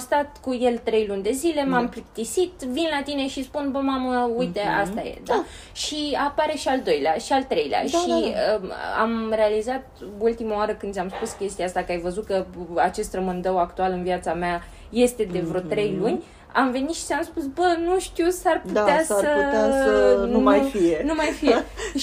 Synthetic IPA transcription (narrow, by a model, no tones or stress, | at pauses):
st̪at̪kuje̞lt̪ɾe̞jlunʲd̪e̞zile̞mamplik̚t̪isit̪vinlat̪ine̞ʃispunbəmaməujt̪e̞a̰st̪ajḛd̪a | ʃiapaɾe̞ʃiald̪o̞jlea̰ʃialt̪ɾe̞jlea̰ʃiəa̰mɾe̞alizat̪̚bult̪imawaɾəkɨnd̪sʲamspuskʲe̞st̪iaast̪akəajvəzut̪̚kəat͡ʃe̞st̪rəmɨnd̪əwakt̪ualɨnviat̪samea | je̞st̪e̞d̪e̞vɾo̞t̪ɾe̞jlunʲ | amve̞nit̪ʃi̥samspusbənuʃt̪iwsarpud̪easaəaənmajfienumajfijeʃ